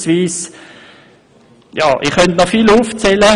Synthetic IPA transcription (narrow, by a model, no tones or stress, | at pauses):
sviːs | jɑ̰ːʔɪχœntnɔfiluːft͡sɛlə